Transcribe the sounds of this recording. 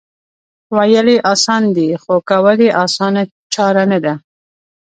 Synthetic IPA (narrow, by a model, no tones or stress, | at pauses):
wajəliʔɑsɑnd̪ixokawaliʔɑsɑna | t͡ʃɑɾanad̪a